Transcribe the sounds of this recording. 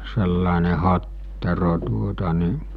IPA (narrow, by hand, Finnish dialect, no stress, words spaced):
selːɑˑene hɑtːero tuotɑ ni